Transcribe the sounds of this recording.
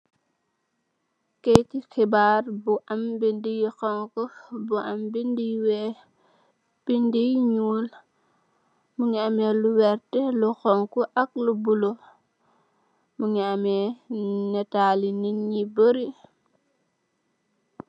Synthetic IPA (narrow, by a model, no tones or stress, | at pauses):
kejtixibaːɾbuʔambindijxɔŋkubuʔambindiwɛ | b̥indijɲuːl | muŋiamɛluwɛɾtɛluxɔŋkuʔak̚lubulo | muŋiamɛnɛtaːlininɲibəɾi